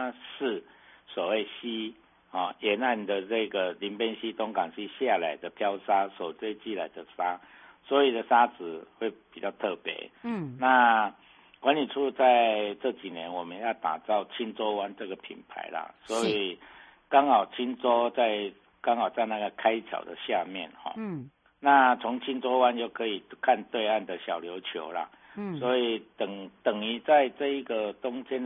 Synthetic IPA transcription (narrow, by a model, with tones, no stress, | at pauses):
ʂɻ̩˥˩swɔ˨˩we˥˩ɪɕi˥ | hɔ˥˨jɛ˧˦na˥˩nd̪ə˨nə˥˧ɡə˩li˧˥npɛ˥˦nɕi˦˥t̪o˦ŋkɑ˨˩ŋɕi˥˧ɕja˥˧la˨˦ɪd̪ə˨pʰja˦˥ʊsa˥sɔ˨˩ʊt͡swe˥˧ɪt͡ɕi˥˨la˧˦ɪd̪ə˨sa˦˥ | swɔ˧˦i˨˩d̪ə˨sa˦t͡sɹ̩˨˩xwe˥˩ɪpi˨˩t͡ɕjɑ˥˧ʊt̪ʰɤ˥˩pjɛ̰˧˥na˥˨ | kwa˧˦nli˨˩ʈ͡ʂʰu˥˧t͡sa˥˧ɪt͡sɤ˥˧˩t͡ɕi˨˩njɛ˧˦nwɔ˨˩mə˦njɑ˥˩ʊt̪a̰˨˩t͡sɑ˥˩ʊt͡ɕʰi˦nt͡sɔ˦wa˦nt͡sɤ˥˩ɡə˨˩pʰḭ˨˩npʰa̰˧˦ɪla̰˨swɔ˧˦˥i˨˩ | kɑ˦˥ŋhɑ˨˩ʊt͡ɕʰi˦nt͡sɔ˦t͡sa˥˧ɪ | kɑ˥ŋhɑ˨˩ʊt͡sa˥˧ɪna˥˩ɡə˩kʰa˦ɪt͡ɕʰja̰˨˩ʊd̪ə˨ɕja˥˧mjɛ̰˥˨nhɔ̰˨˩ | na˥˧t͡sʰɔ˧˦ŋt͡ɕʰi˦˥nt͡sɔ˦wa˦nt͡ɕjo˥˩ʊkʰə˧˦i˨˩kʰa˥˧nt̪we˥˧ɪa˥˩nd̪ə˨ɕjɑ˨˩ʊljo˧˦ʊt͡ɕʰjo̰˧˦ʊla̰˨ | swɔ˧˦i˨˩t̪ə˨˩ŋt̪ə˨˩ŋi˧˦t͡sa˥˧ɪt͡sɤ˥˧i˧˩ɡə˨tʊ˦ŋt͡ɕjɛ˦n